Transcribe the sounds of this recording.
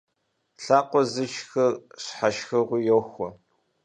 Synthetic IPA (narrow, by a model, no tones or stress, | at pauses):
ɬaːqʷɔzɨt͡ʃxɐrɕħaʃxɐʁʷʊjowxʷɔ